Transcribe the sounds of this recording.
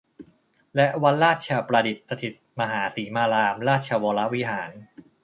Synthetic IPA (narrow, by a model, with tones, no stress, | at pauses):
lɛ˦˥ʔwa˦˧nɾaː˥˩t̪̚t͡ɕʰa˧pɾa˧di˨˩t̪̚sa˧t̪ʰi˨˩t̪̚ma˧ɦaː˩˦siː˩˦maː˧laː˧mɾaː˥˩t̪̚t͡ɕʰa˧wɔː˧la˦˥ʔwi˦˥ɦaː˩˦n